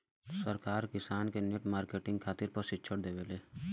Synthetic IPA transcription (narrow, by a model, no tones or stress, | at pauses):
səɾkaːɾkɪsaːnkeneʈmaːɾkeːʈɪ̃ŋɡ̚kʰaːt̪ɪɾpəɾsɪtːt͡ʃʰəɽd̪eːʋeleː